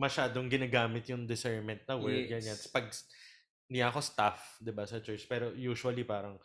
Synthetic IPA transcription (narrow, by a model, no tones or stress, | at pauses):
mɐʃaːd̪oŋɡɪnaɡaːmɪt̪jʊŋd̪ɪsɛɹmɛnt̪̚nɐwɛɐnjat̪spɐɡ̚s | d̪ɪjaɐko̞st̪afd̪ɪbasɐt͡ʃɛɹt͡ʃpɛːɾo̞juːʃʊɐlipaːɾɐŋ